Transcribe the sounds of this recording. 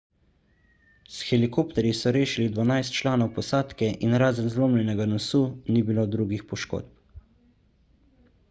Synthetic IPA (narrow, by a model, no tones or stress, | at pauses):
sxɛlikoːpt̪ɛɾjisɔɾeːʃilid̪ʋanajst̪t͡ʃlaːnɔwpɔsaːt̪kɛʔinɾaːzənzloːmlʲɛnɛɡanɔsuːnibilod̪ɾuːɡixpɔʃko̰ːt̪̚p